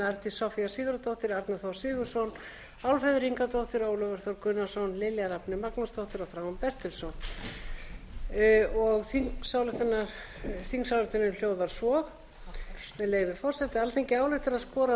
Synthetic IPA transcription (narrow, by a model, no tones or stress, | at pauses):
aɾt̪isɔfiasiːɣʏɾat̪owht̪ɪɾaɾt̪naθowsɪːɣʏɾ̥sɔwn | awlfɛðʏɾiŋkat̪owht̪ɪɾoːwlœvɛɾ̥θɔwɾkʏnːasɔwnlɪljaɾapnɪmaknast̪owht̪ɪɾɔθɾawanpɛr̥t̪ɪlsɔwn | ɔɣθiŋsaːwlʏt̪θɛnːaɾ | θiŋksawlʏht̪ɛnɪmljoːwðaɾ̥sɔːð | mɛðleːjvɪ̥fɔr̥sɛt̪ɪalθejŋcɪaːwlʏht̪ɪɾaðskɔːɾa